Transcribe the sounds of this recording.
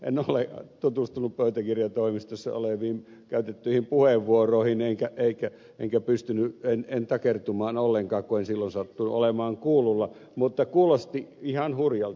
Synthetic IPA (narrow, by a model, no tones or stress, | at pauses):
ḛnolet̪ut̪ust̪unuppøyt̪ækirjɑt̪oimist̪osːɑ̰o̰leʋiːm | kæyt̪et̪ːyihimpuheʋːuoroˑihineŋkæeikæ | eŋkæpyst̪ynyenent̪ɑkert̪umɑːnolːeŋkɑːkkuensilːonsɑt̪ːuno̰lemɑːŋkuːlulːɑ | mut̪ːɑkuːlost̪iihɑnhurjɑl